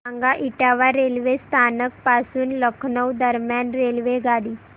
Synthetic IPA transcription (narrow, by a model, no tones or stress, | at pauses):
aŋɡaʔiʈaʋaɾelʋest̪ʰanək̚pasuːnləkʰnəwd̪əɾmjanɾelʋeɡaɽiː